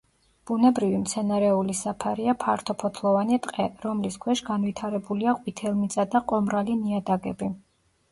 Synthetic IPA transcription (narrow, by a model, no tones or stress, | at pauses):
b̥unɛbɾivimt̪sʰɛnaɾɛulisapʰaɾiapʰaɾt̪ʰɔpʰɔt̪ʰlˠɔvanit̪ʼqʼɛɾɔmliskʰwɛʃɡanvit̪ʰaɾɛbuliaqʼwit̪ʰɛlˠmit̪sʼad̪aqʼɔmɾaliniad̪aɡɛbi